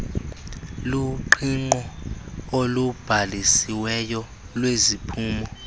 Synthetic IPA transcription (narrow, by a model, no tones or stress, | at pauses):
luǃiŋ͡ǃɔ | olub̥ʱalisiwɛjɔ | lwezipʰuːmɔ